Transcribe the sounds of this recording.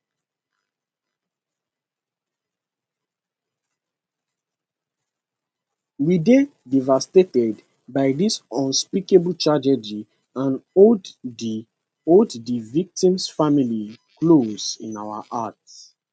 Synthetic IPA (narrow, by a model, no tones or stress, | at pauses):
lidedivastetɛd | baɪdisɔ̃nspikebltʰɹad͡ʒɛd͡ʒi | ãnod | oddivik̚tĩmsfamili | klozḭ̃naʊa̰ʔats